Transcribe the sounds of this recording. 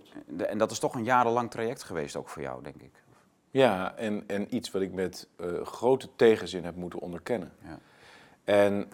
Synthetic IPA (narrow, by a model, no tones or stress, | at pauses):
ɛ̰ndɑtɪstɔχənjaːɾəlɑŋtrajɛk̚tχəʋejsto̰wkfʊːɹjɔ̰wdɛŋkɪk | jaɛnɛnitsʋɑtɪk̚mɛtχrowtətejχənzɪnɦɛp̚mutənɔ̰ndəɹkɛnən | ɛn